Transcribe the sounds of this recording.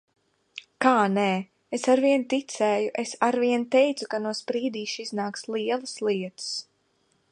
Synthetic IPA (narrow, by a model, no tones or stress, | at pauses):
kaːnɛː | esaɾviɛnt̪it̪sɛːjuʔesaɾviɛnt̪ɛjt̪sukanuɔspɾiːd̪iːʃiznaːkslˠiɛlˠɨslˠiɛt̪ɨ̥s